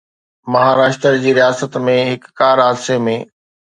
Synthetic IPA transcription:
mɐɦaːɾaːʃt̪əɾd͡ʑiːɾijaːsət̪mẽɦɪkːaːɾaːd̪semẽː

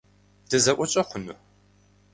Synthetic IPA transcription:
d̥ɨzɐʔʷɔt͡ʃʼɐχʷʊnu

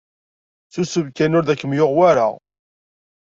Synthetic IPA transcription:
θusəvkænʊɾðækːəmjoʁwaɾa̰

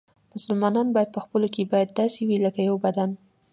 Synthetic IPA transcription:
mʊsalmɑnɑnbɑjad̪̚pəxpəlokebɑjad̪ːɑsewiləkajawbad̪an

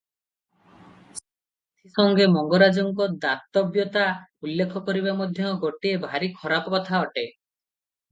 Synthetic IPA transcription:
s | et̪ʰisɔŋɡemɔŋɡɔɾad͡ʒɔŋkɔd̪at̪ːɔbjɔt̪aulːekʰɔkɔɾibamod̪ʱjɔɡoʈiebʱaɾikʰɔɾapɔkɔt̪ʰaɔʈe

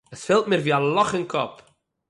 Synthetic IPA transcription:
əsfɛlˠt̚miːɾviːalˠɔχənkʰɔp

